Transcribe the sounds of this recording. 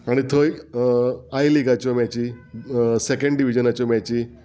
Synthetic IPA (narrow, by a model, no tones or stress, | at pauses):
aɽ̃it̪ʰoj | ajliɡat͡ɕɔmjat͡ɕiː | sekəɳɖiʋid͡ʑənat͡ɕɔmjat͡ɕiː